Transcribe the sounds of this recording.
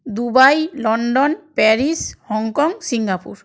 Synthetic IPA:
d̪ubajlɔɳɖonpɛɾishɔŋkɔŋsiŋɡapṵɾ

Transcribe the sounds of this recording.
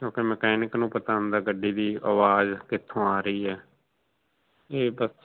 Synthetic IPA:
kjõːkɪməkɛːnɪknũːpət̪aːə̃nd̪aːɡəɖːiːd̪iːaːʋaːzkɪt̪ʰːõːaːɾəiːɛː | eːbəs

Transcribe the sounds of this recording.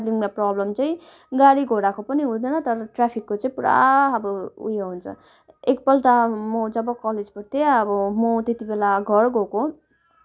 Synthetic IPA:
bliŋmaprʌblʌmt͡sʌjĩ | ɡaɽiɡʱoɽakopʌniɦũld̪ʌnʌt̪ʌɾʌʈrapʰikːot͡sʌĩpuɾa̰ʌbʌṵjeɦunt͡sʰʌ̰ | ekpʌlʈ̪amʌd͡zʌbʌkʌled͡zpʌɾt̪ʰeʌbʌmot̪et̪ibelaɡʱʌrɡʱoko

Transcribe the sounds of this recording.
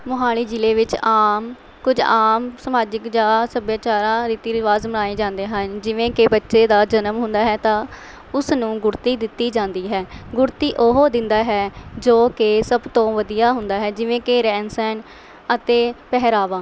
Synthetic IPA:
mʊɦaːliːd͡ʒɪleːʋɪt͡ʃaːm | kʊd͡ʒaːmsəmaːd͡ʒəkd͡ʒaːsəbjaːt͡ʃaːɾãːɾiːt̪iːɾɪʋaːzməɽaːĩːd͡ʒãːnd̪eːɦənd͡ʒɪʋẽːkebətːʃeːd̪aːd͡ʒənəmɦʊ̃nd̪aːɦɛːt̪ãː | ʊsnũːɡʊɾt̪iːd̪ɪt̪ːiːd͡ʒãːnd̪iːɦɛːɡʊɾt̪iːʔoɦoːd̪ɪ̃nd̪aːɦɛːd͡ʒoːkesəbt̪õːʋəd̪ijaːɦʊnd̪aːɦɛːd͡ʒɪʋẽːkeɾɛːnsɛːn | ət̪eːpɛɦɾaːʋãː

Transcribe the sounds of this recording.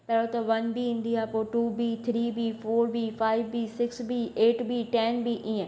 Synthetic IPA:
pɛɽot̪ɐʋɐnbiĩnd̪iaːpoːʈuːbit̪ʰɾiːbifoːɾbifaːɪʋbisɪksbieːʈbiʈɛnbiʔĩːə̃

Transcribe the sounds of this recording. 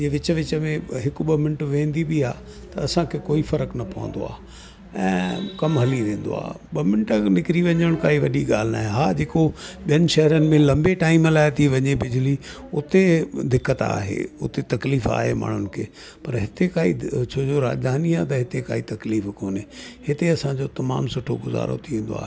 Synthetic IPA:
iːʋɪt͡ɕʋɪt͡ɕəmẽɦɪkɓɐmɪ̃ɳʈʋẽːn̆d̪ibiaː | t̪ɐɐsãkʰekoːifɐɾəknɐpɐʋə̰̃n̆d̪o̰a̰ː | ɛ̰̃ːkɐmɦɐliɾẽːn̆d̪o̰a̰ː | ɓɐmɪ̃ɳʈnɪkɪɾiʋɐ̃ɲəɽ̃kaːiʋɐɗiɠa̰ːl̤ɪna̰ːɦẽɦaːd͡ʑeːkoɓijənɪʃɐɦəɾənɪ̆mẽlɐ̃mbeʈaːimlaːɦɪt̪ʰiʋɐ̃ɲebɪd͡ʑɪli | ʊt̪ed̪ɪkːət̪a̰ːɦḛːʊ̰t̪et̪ɐkliːfa̰ːɦema̰ːɳ̤ʊnɪ̆kʰḛː | pɐɾɦɪt̪ekaːḭt͡ɕʰoːd͡ʑoɾa̰ːd͡ʑd̪ʱaːniaːt̪ɐɦɪt̪ekaːit̪ɐkliːfkoːnehɪt̪eɐsãd͡ʑot̪ɐma̰ːmsʊʈʰoɡʊza̰ːɾo̰t̪ʰiẽːn̆d̪o̰a̰ːɦe

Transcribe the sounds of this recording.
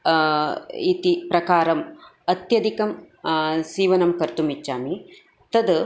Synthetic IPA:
it̪ipɾɐkaːɾɐmɐt̪jɐd̪ikɐm | siːʋɐnɐmkɐɾt̪umit͡ʃːaːmi | t̪ɐd̪

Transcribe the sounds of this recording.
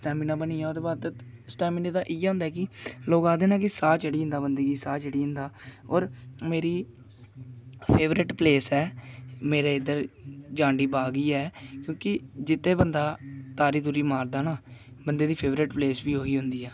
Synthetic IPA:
sʈɛːmɪnãːbəniːɛːoːd̪eːbaːd̪t̪sʈɛːmɪneːd̪aːʔiːɛ̃ːʊ̃ːnd̪aːkɪloːkaːd̪eːnãːkɪsaːt͡ʃəɽiːɦʊ̃nd̪aːbənd̪əɡiːsaːt͡ʃəɽiːɦʊnd̪aːɔːɾmeːɾiː | pʰeːʋɾɪʈpleːsɛːmeːɾeːɪd̪əɾd͡ʒãːɳɖiːbaːɡiːɛːkjõːkɪd͡ʒɪt̪ːẽːbənd̪aːt̪aːɾiːd̪uːɾiːmaːɾd̪aːnaː | bənd̪eːd̪iːpʰeːʋɾɪʈpleːsbiːɦoːiːɦʊ̃nd̪iːɛː

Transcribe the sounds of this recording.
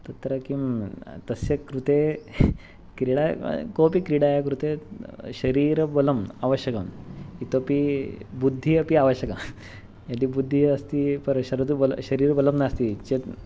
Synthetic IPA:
t̪ɐt̪ɾəkimt̪əsekɾut̪e | kɾiɽa̰kopikɾiɽajakɾut̪eɕəɾiɾboləmaʋəɕjəkəmit̪opibud̪ʱːiəpiaʋəɕjəka | jad̪ibud̪ʱːiəst̪ipəɾɕəɾd̪ubolɕəɾiːɾboləmnast̪it͡ɕet̪

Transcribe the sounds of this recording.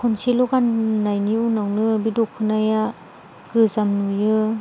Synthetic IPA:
kʰunsilɔɡanːajniunawnɯbidɔkʰɯnaja | ɡ̥ɯzamnujɯ

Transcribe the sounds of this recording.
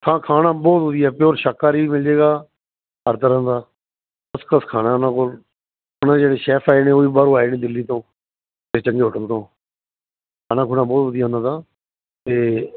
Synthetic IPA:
kʰãːkʰaːnaːbɔːt̪ɦʊd̪ɪjaːpɪjoːɾʃaːkːaːɾiːmɪld͡ʒeːɡaː | ɦəɾt̪əɾə̃ːnd̪aː | əskəskʰaːɽaːʊnãːkol | ʊnãːd͡ʒeːɽeːʃɛːpʰaːeːnẽːoːiːbaːɾoːaːeːneːd̪ɪlːiːt̪õː | t̪est͡ʃəŋɡeːɦoʈənt̪õː | kʰaːnaːkʰuːnãːbɔːt̪ɦəd̪ɪjaːʊnãːd̪aː | t̪eː

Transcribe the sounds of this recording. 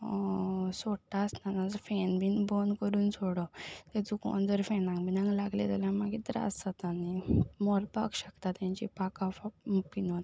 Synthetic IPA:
soʈːaəst̪anad͡zɔfɛnbinbonkəɾuːnsʰoɽɔt̪ed͡zukõ̰nd͡zəɾfɛnãŋkbinãŋɡlaɡlḛt̪aljãmaɡit̪ɾa̰sat̪animɔɾpa̰ɡɕəkt̪at̪jãɲt͡ɕḭpakafapinon

